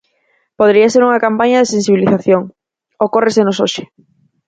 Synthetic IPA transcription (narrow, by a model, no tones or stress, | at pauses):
poðɾiɐseɾuŋɐkampaɲɐðesensiβiliθaθjoŋ | okoresenosoʃɪ̥